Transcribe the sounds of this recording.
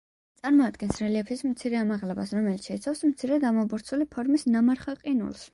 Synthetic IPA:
t̪sʼaɾmɔad̪ɡɛnsɾɛliɛpʰismt̪sʰiɾɛamaʁlɛbasɾɔmɛlit̪ʃɛit̪sʰwafsmt̪sʰiɾɛd̪amɔbuɾt̪sʰulipʰɔɾmisnamaɾχaqʼinṵlˠs

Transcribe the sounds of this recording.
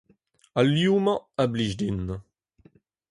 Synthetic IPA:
aljumɑ̃abliʒdin

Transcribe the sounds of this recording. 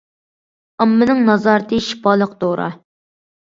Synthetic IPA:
ɑmːɨnɨŋnɑzɑɾt̪ʰɨʃi̥pɑːlˠəqd̪oɾʔɑ̰

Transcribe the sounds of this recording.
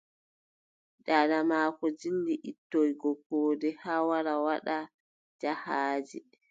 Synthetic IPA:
ɗaɗamaːkɔd͡ʒilːiʔitːojɡɔkːɔːdɛhawaɾawaɗa | d͡ʒahaːd͡ʒi

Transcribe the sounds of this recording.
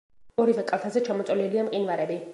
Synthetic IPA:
ɔɾivɛkʼalˠt̪ʰazɛt͡ʃʰamɔt̪sʼɛliliamqʼinvaɾɛbi

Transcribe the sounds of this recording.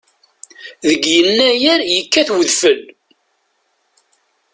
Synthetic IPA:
ðəɡjənːæjæɾjəkːæθwəðfəl

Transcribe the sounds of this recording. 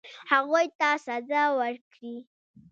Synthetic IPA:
haɣujt̪asazawəɾkɽi

